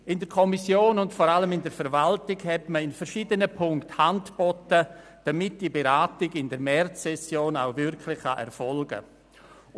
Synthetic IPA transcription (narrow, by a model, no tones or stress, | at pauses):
ɪndəɾkʰɔmisjoːnʊntfɔɾaləmɪndəɾfəɾvaltɪɡhɛtməɪnfəɾʃiːdənəpʰʊŋkthantb̥ɔtə | d̥amɪt̚d̥ibeɾaːtɪɡɪndəɾmɛrt͡sːɛsjoːna̰ʊvɪɾkʰlɪχa̰ʔɛ̰ɾfɔlɡə̰